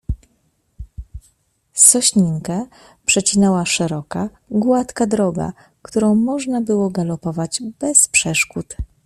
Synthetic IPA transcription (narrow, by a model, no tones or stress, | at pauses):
sɔɕɲiŋkɛ | pʂɛt͡ɕinɛwaʂɛɾɔka | ɡwat̪kad̪ɾɔɡa̰ | kt̪uɾɔ̃w̃mɔʐnabɘwɔɡalɔpɔvad͡ʑbɛspʂɛʂkut̪